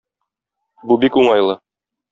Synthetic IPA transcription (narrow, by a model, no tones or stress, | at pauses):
bubikuɴɑjlˠɤ